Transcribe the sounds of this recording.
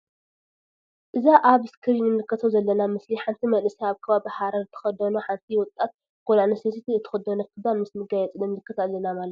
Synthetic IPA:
ʔɨzaʔaβɨskʰɨɾinɨlɨkʰːɐt̪ʰɐwzɐlːɐnamɨsliħant̪ʰimɐlɨsiaβkʰɐβabihaɾɐɾt̪ʰɨ̥xɐd̪onɐħant̪ʰiwʊt̪ʼːat̪̚ | kolanɐses̬it̪ʰiɨt̪ʰɨ̥xɐd̪onɐkʰɨd̪anmɨsmɨɡajɛt͡sʼɨdɐmzɨkʰːɐt̪ʰalɐnamalɐt̪

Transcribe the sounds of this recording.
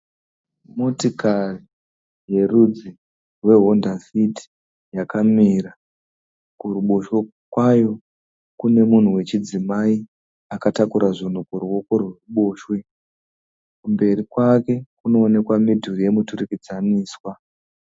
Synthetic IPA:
mo̞tikari | je̞rud͡zi | rwe̞ɦo̞ndasiti̥ | jakamiɾa | kuruɓo̞ʃwe | kwajo̞ | kune̞mun̤uwe̞t͡ʃid͡zimai | akatakuɾaʐin̤ukuruwo̞ko̞rweruɓo̞ːʃwe̞ | kumbe̞ɾikwake̞kuno̞ːne̞kwamidʱurije̞muturikid͡zaniːswa

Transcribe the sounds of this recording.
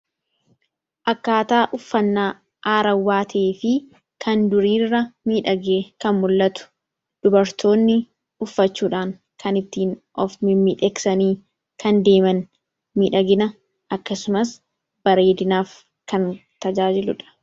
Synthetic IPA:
ʔɐkːaːt̪aːʔʊfːɐnːaː | ʔaːɾɐwːaːt̪ʰeːfɪ | kʰɐnd̪ʊɾiːrːɐmiːᶑɐɡeːkɐnmʊlːɐt̪ʊ̥ | d̪̥ʊbɐɾt̪ʰo̞ːnːɪ | ʊfːɐt͡ʃːuːᶑaːŋ | kɐnɪt̪ːiːnʔɔfmɪmiᶑɛksɐniː | kɐnd̪e̞ːmɐn | miːᶑɐɡɪnɐ | ɐkːɐsʊmɐs | b̥ɐɾe̞ːd̪ɪnaːf | kɐnt̪ɐd͡ʒaːd͡ʒɪlʊᶑɐ̥

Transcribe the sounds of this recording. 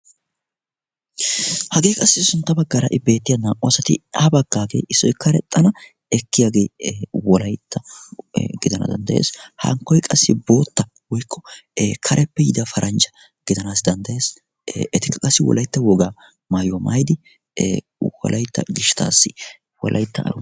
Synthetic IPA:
hɐɡe̞ːkʼɐsːɪsʊnt̪ːɐbɐɡːɐɾɐ̰ʔɪbe̞ːt̪ːɪjɐnaːʔʊɐsɐt̪ɪabɐɡːaːɡḛːʔɪsːɔjkːɐɾɛt̪ʼːɐnɐ | ɛkːɪjaɡe̞ːwɔlɐjt̪ʰːɐ | ɡɪd̪ɐnɐ̰d̪ɐ̰nd̪ɐʔjḛːshɐ̰ŋkːɔjkʼɐsːɪbo̞ːt̪ːɐ | wɔjkʰːɔkʰɐɾʔɛpːɛjɪd̪ɐfɐɾʔɐnt͡ʃɐ̥ | ɡ̥ɪd̪ɐnaːsd̪ɐnd̪ɐjeːs | ʔɛt̪ɪkːɐkʼɐsːɪwɔ̰lʔɐjt̪ːɐwɔɡaː | maːjomɐ̰jd̪ɪ | wɔ̰lʔɐjt̪ːɐ̰ɡɪʃɪ̥t̪a̰ːsːɪ | wɔ̰lʔɐ̰jt̪ːɐɐ̰ɾʊ

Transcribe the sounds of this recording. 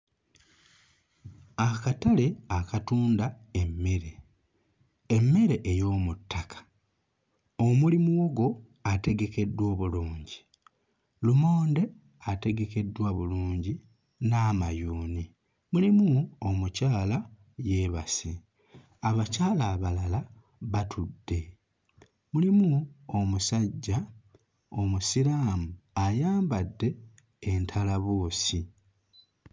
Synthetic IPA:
akatale̞akatuːnda | e̞mːe̞ɾe | emːe̞ɾe̞ʔejo̞ːmutːakʰḁ | omulimuwoɡo̞ | ate̞ɡe̞ke̞dːwo̞ːβuluːɲɟi | lumo̞ːnde̞ | ate̞ɡe̞ke̞dwaβuluːɲɟi | namajuːni | mulimuomucaːla | je̞ːβasi | aβacaːlaːβalala | βatʰudːe̞ | mulimuomusaɟːa | o̞musiɾaːmuajaːmbadːe̞ː | ntʰalaβo̞ːsi

